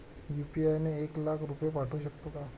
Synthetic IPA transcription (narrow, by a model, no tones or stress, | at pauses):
jupiajneːklakʰɾupjepaʈʰuːɕəkt̪oka